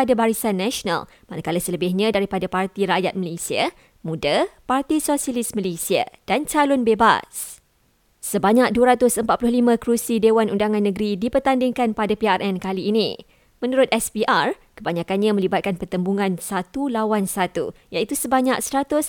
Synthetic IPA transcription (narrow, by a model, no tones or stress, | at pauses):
adabaɾisanːãʃona̰l | manakalasələbɪhɲãdaɾipadapart̪iɾaʔjat̪̚məlesia̰ | mũdapart̪isosialismə̃lesia̰d̥ant͡ʃalɔnbeba̰s | səbaɲak̚duəɾat̪ʊsəmpat̪̚pulʊhlimə̃kɾusidewanundaŋãnːə̃ɡɾidipərt̪andɪŋkanpadapiarʔɛnkaliːnḭ̃ | mə̃nuɾʊt̪ʔɛspiʔar | kəbaɲakanɲãmə̃libat̪̚kanpərt̪əmbuŋãnsat̪ulawansat̪ṵjait̪usəbaɲak̚stat̪ʊs